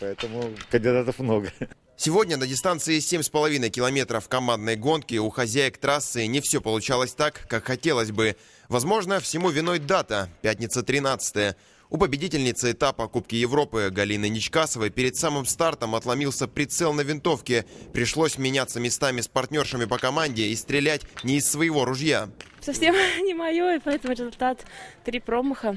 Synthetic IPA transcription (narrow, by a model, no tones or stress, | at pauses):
pɐɛt̪əmʊkənʲdʲɪd̪at̪əfmnoɡə | sʲɪvodʲnʲənədʲɪst̪ant̪sɨɪsʲemʲspəlˠɐvʲinəjkʲɪlˠɐmʲe̞t̪ɾəfkɐmand̪nəjɡo̞nkʲɪuxɐzʲæjɪkt̪ɾasːɨnʲɪfsʲo̞pəlˠʊt͡ɕalˠəsʲt̪akːakxɐtʲe̞lˠəsʲbɨ | vɐzmo̞ʐnəfsʲɪmuvʲɪnojd̪at̪əpʲæt̚ʲnʲɪt̪sət̪ɾʲɪnat̪sɨ̥t̪əjə | ʊpəbʲɪdʲitʲɪlʲnʲɪt̪səɪt̪apəɐkupkʲɪjɪvɾo̞pɨɡɐlʲinɨnʲɪt͡ɕkasəvəjpʲeɾʲɪd̪samɨmst̪art̪əmɐt̪lˠɐmʲilˠsʲəpɾʲɪt̪sɛlˠnəvʲɪnt̪o̞fkʲɪpɾʲɪʂlˠo̞sʲmʲɪnʲat̪səmʲɪst̪amʲɪspɐrtʲnʲo̞rʂɨmʲɪpəkɐmanʲdʲɪːst̪ɾʲɪlʲætʲnʲɪːsːvəjɪvo̞ɾʊʐja | sɐfsʲemnʲɪmɐjoɪpɐɛt̪əmʊɾʲɪzʊlʲt̪at̪ːɾʲipɾomɨxə